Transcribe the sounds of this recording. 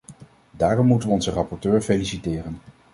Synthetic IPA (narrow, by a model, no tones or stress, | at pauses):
daːrɔmːutənʋəɔnzərɑpɔɹtøːɹfelisitɪːrən